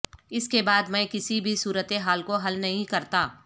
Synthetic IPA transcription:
ɪskebaːd̪mɛ̃ːkɪsibʱisuːɾət̪eɦaːlkoɦɐlnɐɦĩkɐɾt̪aː

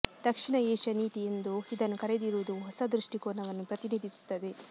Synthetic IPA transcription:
d̪̥ɐkʂiɳɐeːʃɐniːt̪ijend̪uid̪ɐnːukɐɾed̪iɾuʋud̪uɦɔsɐd̪ɾuʂʈikoːnɐʋɐnːupɾɐt̪iniːd̪ʱisu̥t̪ːɐd̪e̞

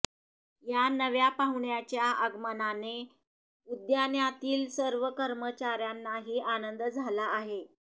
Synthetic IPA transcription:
janəʋjapaɦuɳjat͡ɕjaəɡmənane | ud̪janjat̪iːlsəɾʋəkəɾmət͡ɕaɾjanːaɦiːʔanənd̪d͡zʱalaːɦe

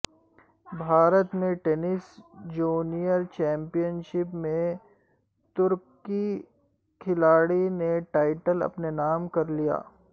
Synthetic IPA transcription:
bʱaːɾət̪mẽʈenɪsd͡ʒuːnijəɾt͡ʃɛ̃ːmpijənʃɪpmẽ | t̪ʊɾk | i | kʰɪlaːɽineʈaːɪʈəlɐ̰pnenaːmkɐɾlija̰ː

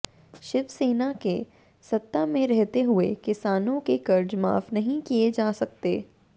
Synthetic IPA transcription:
ʃɪbseːnake | sɐt̪ːamẽɾɛɦt̪eɦʊḛkɪsaːnõkekɐɾd͡ʒma̰ːfnɐɦĩkied͡ʒaːsɐk̚t̪eː

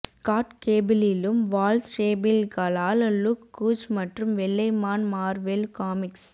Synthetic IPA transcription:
skaːʈkeːbɪlɪlɯmʋaːlsɾeːbɪlkɐlaːllukːuːt͡ʃmɐʈrɯmʋɛɭːɐɪmaːnmaːɾʋɛlkaːmɪks

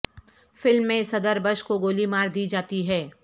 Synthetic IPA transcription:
fɪlmːẽsɐd̪əɾbəʃkoɡoːlimaːɾd̪iːd͡ʒaːt̪iɦɛː

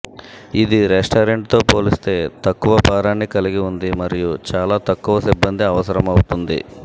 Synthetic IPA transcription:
id̪iɾesʈɐːɾeɳʈt̪o̞ːpo̞ːlist̪e̞ːt̪ɐkːuʋɐpaːɾaːnːikɐliɡiund̪imɐɾijut͡ʃaːlaːt̪ɐkːuʋɐsibːɐnd̪iɐʋɐsɐɾɐmɐwut̪und̪ḭ

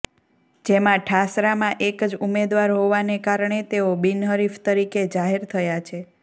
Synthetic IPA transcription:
d͡ʒemãʈʰasɾamãʔekd͡ʒumed̪ʋaɾɦoʋanekaɾɳet̪eobinɦəɾift̪əɾiked͡ʒaɦeɾt̪ʰəjat͡ʃʰe

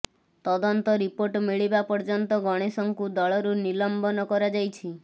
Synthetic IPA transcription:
t̪ɔd̪ɔnt̪ɔɾipoɾʈmiɭibapɔɾd͡ʒɔnt̪ɔɡɔɽ̃esɔŋkud̪ɔɭɔɾunilɔmbɔnɔkɔɾad͡ʒajt͡ʃʰi

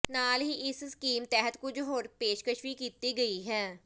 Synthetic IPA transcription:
naːlɦiʔɪsskiːmt̪ɛːɦət̪kʊd͡ʒɦoːɾpeːʃkəʃʋikiːt̪iɡəiɦɛː

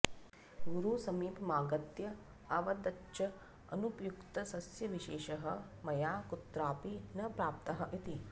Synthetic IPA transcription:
ɡuɾusɐmiːpmaːɡɐt̪jɐ | ɐʋɐd̪ɐtːʃɐ | ɐnupjukt̪ɐsɐsjɐʋiʃeːʃɐɦɐ̆ | mɐjaːkut̪ɾaːpinɐpɾaːp̚t̪ɐɦɐʔit̪i

